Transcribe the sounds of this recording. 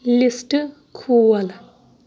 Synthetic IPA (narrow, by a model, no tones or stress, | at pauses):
lisʈɨ | kʰuːwɐl